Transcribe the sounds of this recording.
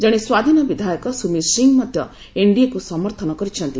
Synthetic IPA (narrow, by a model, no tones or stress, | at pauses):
d͡ʒaɽ̃eswad̪ʱinɔbid̪ʱajɔkɔsumiɾsiŋmɔd̪ʱjɔ | eɳɖijakusɔmɔɾt̪ʰɔnɔkɔɾit͡ʃʰɔnt̪i